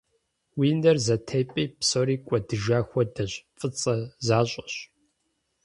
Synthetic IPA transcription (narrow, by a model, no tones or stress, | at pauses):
wiːndɐrzɐtʰejpʼiːpsoːɾiːkʷʼɔdɨʒaːxʷɔdɐɕfʼɨt͡sʼɐzaːɕʼɐɕ